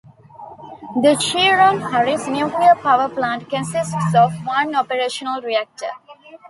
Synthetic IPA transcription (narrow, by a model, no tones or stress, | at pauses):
d̪əʃiɾɔ̃mhaɾismjuːkliəpaʋəplãːɳʈkə̃nsɪsʈsɔːʋʋʌ̃nɔpəɾeːʃənəlɾiæk̚ʈə̰